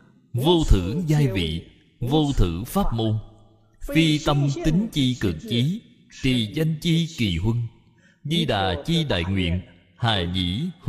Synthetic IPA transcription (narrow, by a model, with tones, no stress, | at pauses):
vo˧t̪ʰɨ˧˩zaː˧jvḭ˧˨ | vo˧t̪ʰɨ˧˩˥faː˦˥p̚mo˧n | fi˧t̪ə˧mt̪ï˨˦ŋ̟t͡ɕi˧kɨ̰˨˩k̚t͡ɕi˨˦ | t̪i˨˩za˧jŋ̟t͡ɕi˧ki˨˩ɦwə˧ŋ | zi˧ɗa̰ː˨˩t͡ɕi˧ɗa̰ː˧˨jŋwḭ˧˨ən | haː˨˩ɲḭ˧˥